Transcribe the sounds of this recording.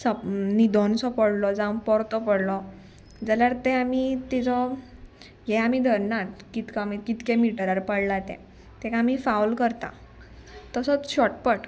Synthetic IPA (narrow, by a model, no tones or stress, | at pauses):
sənid̪ʱɔnsɔpəɽlɔd͡zãw̃pɔɾt̪ɔpəɽlɔ | d͡zaljaɾt̪ɛamit̪id͡zɔ | jɛ̃amid̪ʱəɾnat̪kit̪kamikit̪kẽmiʈəɾaɾpəɽlat̪ɛ̰̃ | t̪ɛkaːmifawlkəɾt̪a̰ | t̪əsɔt͡sɕɔʈpəʈ